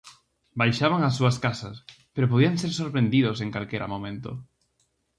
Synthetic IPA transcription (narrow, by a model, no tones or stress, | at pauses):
bajʃaβ̞aŋas̬ːuɐskasɐspeɾopoðiaŋseɾsoɾpɾẽnd̪iðʊsẽŋkalkeɾʔa̰mõmẽnt̪o̰